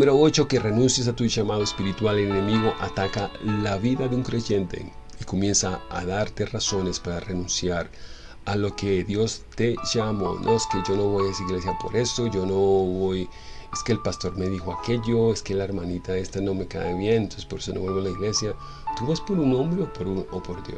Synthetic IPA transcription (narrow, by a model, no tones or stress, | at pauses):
numeɾoot͡ʃo̞ke̞re̞nũnsjes̬at̪uʝamaðoespiɾit̪walene̞miɣo̞ʔat̪akalaβiðaðeuŋkɾe̞ʝe̞nt̪e̞̰iko̞mje̞nsaa̰ðaɾt̪eraso̞ne̞spaɾare̞nũnsjaɾ | alo̞keðjo̞st̪e̞ʝamo̰nʔoeskeʝo̞no̞βo̞jaesaiɣle̞s̬japo̞̰ɾe̞so̞ʝo̞noβoje̞ske̞ːlpast̪o̞ɾme̞ðixo̞ake̞ʝo̞e̞skelaeɾmanit̪ae̞st̪ano̞me̞ka̰eβje̞nenonsespo̞ɾeso̞noβwelβoalaiɣle̞sja | t̪uβaspo̞ɾunõ̞mbɾe̞opoɾunopo̞ɾðjo̰s